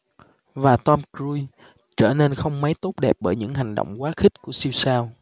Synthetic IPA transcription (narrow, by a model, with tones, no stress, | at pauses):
vaː˨˩t̪ɔː˧mkɹu˧j | t͡ɕəː˧˩ne˧nxə˧wŋ͡mmə˨˦jt̪o˦˥t̚ɗɛ˨˩p̚ɓəː˧˩jɲɨ̰˧˥ŋɦa˨˩ŋ̟ɗo̰˧˨wŋ͡mkwaː˨˦xï˦˥k̟̚ku˧˩əsi˧wsaː˧w